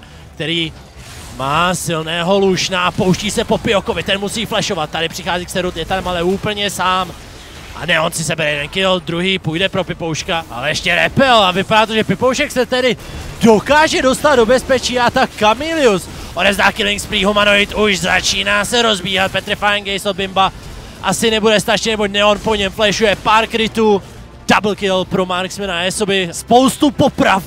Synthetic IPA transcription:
k̚t̪ɛɾiː | maːsɪlnɛːɦo̞luʃnaapo̞wʃciːsɛpo̞pɪoko̞vɪt̪ɛnmusiːflɛʃo̞vat̪ːadɪpr̝̥ɪxaːziːkst̪ɛɾut̪jɛt̪admalɛuːpl̩ɲɛsaːm | ʔa̰nɛʔo̞nsɪsɛbɛɾɛjɛdɛnkɪld̪ɾuɦiːpuːjdɛpɾo̞pɪpowʃkaʔa̰lɛjɛʃcɛɾɛpɛlavɪpadaːt̪oʒɛpɪpowʃɛksɛt̪ɛdɪdokaːʒɛdo̞st̪ad̪̚do̞bɛspɛt͡ʃiːat̪akkamɪlɪus | ʔodɛvzd̪aːkɪlɪŋkspɾiːɦomanoɪt̪uʃzat͡ʃiːnaːsɛɾo̞zbiːɦat̪̚pɛt̪ɾfajɛŋɡɛjsod̪bɪmba | ʔasɪnɛbudɛst̪aʃinɛbocnɛonpoɲɛmplɛʃujɛpaːɾkɾɪt̪uː | d̥abl̩kɪlpɾomaɾksmɛnaɛsobɪspo̞wst̪upopɾaf

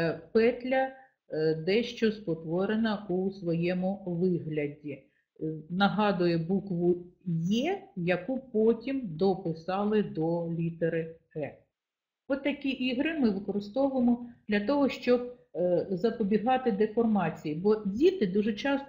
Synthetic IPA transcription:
pɛt̪ʲlʲɐ | d̪ɛʃt͡ʃɔspɔt̪ʋɔɾenɐusʋɔjɛmʊʋɪɦlʲɐdʲi | nɐɦɑd̪ʊjɛbukʋʊjɛjɐkupɔtʲimd̪ɔpɪsɑlˠɪd̪ɔlʲit̪eɾɪ | ɛ | ɔt̪ːɐkʲiʔiɦɾɪmɪʋɪkɔɾɪst̪ɔʋʊemɔd̪lʲɐt̪ɔɦɔʃt͡ʃɔb̚ | zɐpɔbʲiɦɑt̪ɪd̪efɔrmɑt͡sʲijibɔdʲit̪ɪd̪uʒɛt͡ʃɑs

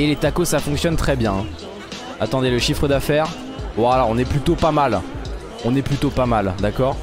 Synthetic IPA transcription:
elet̪akosafɔ̃ŋksjɔnt̪χɛbjɛ̃ | at̪ɑ̃d̪eləʃifχəd̪afɛːʁ | walaɔ̃nɛplyt̪opamal | ɔ̃nɛplyt̪opamald̪akɔːʁ

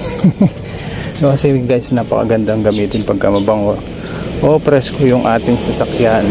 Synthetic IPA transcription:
nokɐsɛɡajsnapɐ̰kɐ̰ɡɐnd̪aŋɡɐmiːt̪ɪnpɐɡ̚kamɐbɐŋot̪ | ʔopɾɛskojʊŋʔaːt̪ɪŋsɐsɐkjan

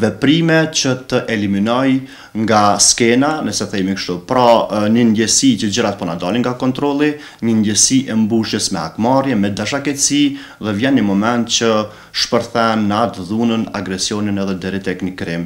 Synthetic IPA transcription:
vɛpɾimɛt͡ɕət̪əʔɛliminɔj | ŋɡaskɛnanəsɛθɛjmikəʃt̪upɾɔɲənd̪ɛsit͡ɕəd͡ʑəɾat̪̚pɔnad̪aliŋɡakɔnt̪ɾɔlˠi | ɲənd̪ɛsiʔɛmbuʃjəsmɛa̰kmaɾjɛmɛd̪aʃ̬akɛt̪siðɛvjɛnɲəmɔmɛnt̪̚t͡ɕə | ʃpəɾθɛnːat̪ðunəna̰ɡɾɛsjɔninɛðɛd̪ɛɾit̪ɛknikɾim

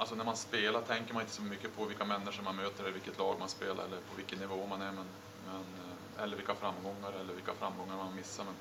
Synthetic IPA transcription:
alsɔnæɾmanspeːlat̪ʰɛŋkəɾmanɪnt̪əsɔmʏkːəpʰɔvɪlkːamɛnːɪʂəɾmanmøːt̪əɾɛɾvɪlkːət̪ʰlɑːɡmanspeːla̰ɾɛ̰lːəɾpʰɔvɪlkːənːɪvoːmanæɾmɛn | mɛn | ɛlːəɾvɪlkːafɾamːɡɔŋːaɾɛlːəɾvɪlkːafɾa̰mɡɔŋːaɾmanmɪsːaɾmɛn

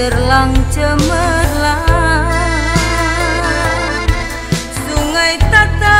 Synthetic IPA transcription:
ərlaŋt͡ʃəməla | suŋajt̪at̪a

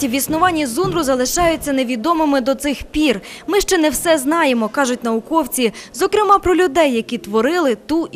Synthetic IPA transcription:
tʲiʋʲisnʊʋɑnʲːizunɾʊzɐlˠɪʃɑjʊt͡sʲːɐne̞ʋʲid̪ɔmɪmɪd̪ɔt̪sɪxpʲirmɪʃt͡ʃɛnɛwsɛznɑjemɔkɑʒʊt̚ʲnɐʊkɔwt͡sʲizɔkɾɪmɑpɾɔlʲʊd̪ɛjːɐkʲit̪ʋɔɾɪlˠɪt̪u

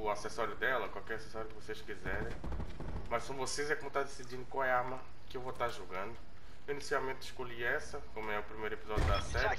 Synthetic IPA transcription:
ʊasesɔɾjʊd̪ɛlɐkwawkɛɾasesɔɾjʊkɪvoseskizɛɾẽj̃ | mɐssõvosejzɛkõmet̪ad̪esid͡ʒĩnd̪ʊkwawɛamɐ | kɪewvot̪aɾʒoɡɐ̃nd̪ʊ | ewinisiawmẽnt̪ɪ̥ʃkoʎiɛsɐkõmʊɛʊpɾimejɾʊepizɔd͡ʒʊd̪ɐsɛɾj

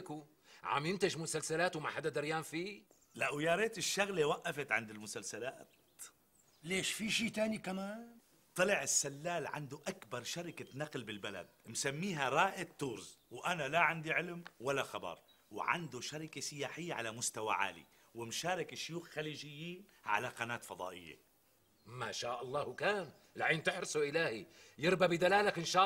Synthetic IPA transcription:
ku | ʕa̰mjɪnt̪aʒmʊsalsalaːt̪wmaħad̪ːad̪ɪɾjaːnfiː | laʔʊwjɑːɾˤeːt̪ɪʃːaɣlewaʔːafɪt̪ʕɪnd̪ɪlmʊsalsala̰ːt̪ | leːʃfiʃiːt̪aːnikamaːn | t̪ˤːɨlɪʕɪsːalːaːlʕa̰nd̪uʔakbɑɾˤʃaɾɪkanaqlbɪlbala̰d̪̚msamːiːɦaɾˤɑːʔɪt̪ːuːɾzwʔanalaʕand̪iʕɪlmwalːaxɑbɑ̰ɾˤ | wʕa̰nd̪uʃaɾɪkasɪjaːħɪjːaʕalamʊst̪awa̰ʕa̰ːlḭ | wɪmʃaːɾˤɪkʃjuːxxaliːʒɪjːiːnʕa̰laqɑnaːt̪fɑd̪ˤɑ̰ːʔɪ̰jːḛ | maʃaːʔɑlˤːɑːhkaːn | lʕiːnt̪ɪħɾɪsuʔɪlaːhijɪɾbabid̪alaːlakʔɪnʃaː

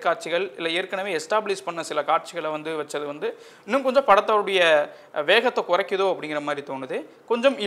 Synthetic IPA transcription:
kːaːʈt͡ʃɪɣɐɭɪlːɐeːɾkːɐnɐʋeːɛsʈaːblɪspɐɳːɐsɪlɐkaːʈ̚t͡ʃɪɣɐɭʋɐnd̪ɯʋɐt͡ʃːɐðɯʋɐnd̪ɯ | ɪnːɯmkɔɲd͡ʒɔ̃pɐɽɐt̪ːaːɾɯɽɐjɐ | ʋeːɣɐt̪ːɐkʊrɐkːɯðoːɐpːɐɽɪŋɡɪɾɐmaːd̪ɾit̪oːnɯðɯ | kɔɲd͡ʒɔmɪ

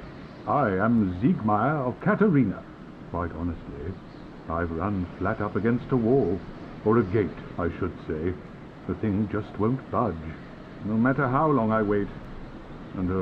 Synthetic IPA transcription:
aɪɨ̃mziɡmaɪə˞ʌv̥kʰæɾə˞ĩnə̰ | kʰɹ̥aɪɾɑnɨstʰˡli | aɪɹʌ̃nflæɾʌpɨɡɛ̃nstəwɔlˠ | ə˞ɨɡeɪɾaɪʃɨd̥seɪ | ðɨθɪ̃ŋd͡ʒʌst̚wõʊ̃ntb̥ʌd͡ʒ | noʊmæɾə˞ɦaʊlɔ̃ŋaɪweɪt | ɨ̃n

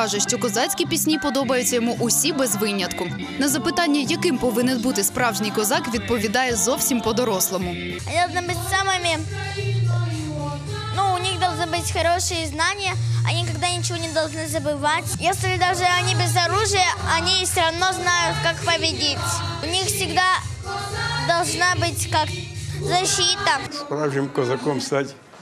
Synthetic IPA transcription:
ɑʐɛʃt͡ʃɔkɔzɑt͡sʲkʲipʲisʲnʲipɔd̪ɔbɐjʊt͡sʲːɐjɔmuʔʊsʲibɛzʋɪnʲɐt̪kʊ | nɐzɐpɨt̪ɑnʲːɐjɐkɪmpɔʋɪnɪnbut̪ɪspɾɑwʐnɨjkɔzɑkʋʲid̪̚pɔʋʲid̪ɑjɛzɔwsʲimpɔd̪ɔɾɔslˠɔmʊ | ɐnʲid̪ɐlˠʒnɨbɨtʲsamɨmʲɪ | nuʊnʲixd̪ɐlˠʐnɨbɨtʲxɐɾoʂɨjəznanʲɪjəɐ̰nʲikɐɡd̪anʲɪt͡ɕɪvo̞nʲɪd̪ɐlˠʐnɨzəbɨvatʲjesʲlʲɪd̪aʐɨɐnʲibʲɪzɐɾuʐɨjəɐnʲifsʲəɾɐvno̞znajʊt̪kakpəvʲɪdʲetʲʊnʲixfsʲɪɡd̪a | d̪ɐlˠʐnabɨtʲkakzɐɕit̪əspɾavʒʲɪmkɔzɐkomst̪atʲ

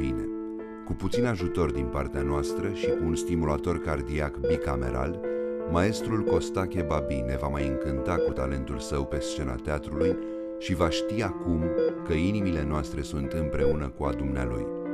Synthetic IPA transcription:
ḭne̞̰ | kuput̪sinaʒut̪o̞rd̪inpart̪eanoast̪ɾəʃiunst̪imulat̪o̞rkard̪iakbikame̞̰ɾʔa̰lmae̞st̪ɾulko̞st̪akʲe̞babine̞vamajɨŋkɨnt̪akut̪a̰le̞nt̪ulsəwpe̞st͡ʃe̞na̰t̪eat̪ɾuluj | ʃivaʃt̪iakumkəinimile̞noast̪ɾe̞sunt̪ɨmpɾe̞unəkua̰d̪umnea̰lṵj

